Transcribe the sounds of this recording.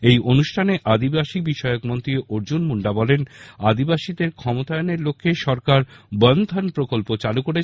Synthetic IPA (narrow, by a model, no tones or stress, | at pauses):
ejʔonuʃʈʰaneʔad̪ibaʃibiʃɔeokmont̪ɾieʔoɾd͡ʑunmuɳɖabɔlenad̪ibaʃid̪eɾkʰɔmot̪aeoneɾlokʰːeʃɔɾkaɾbɔnd̪ʱanpɾokolpot͡ɕalukoɾe